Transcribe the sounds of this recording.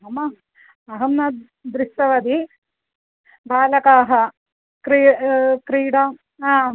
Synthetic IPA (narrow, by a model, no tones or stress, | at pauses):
ɦɐmɐ | ɐɦɐmnɐ | d̪ɾiʃɐʋɐd̪i | bʱaːlɐkaːɦɐ | kɾikɾiːɽa | aː